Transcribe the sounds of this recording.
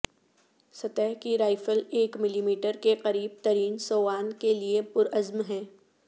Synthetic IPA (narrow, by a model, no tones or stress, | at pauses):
sɐt̪ɛɦkiɾaːɪfəleːkmɪliːmiːʈəɾkeqɐɾiːb̚t̪ɐɾiːnsoːʋaːnkeliepʊɾɐzmɦɛ̃ː